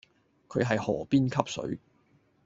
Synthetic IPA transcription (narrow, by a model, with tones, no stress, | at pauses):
kʰɵ˨˧ɥɦɐ˨jhɔː˨˩piː˥nkʰɐ˥p̚sɵ̰˨˥ɥ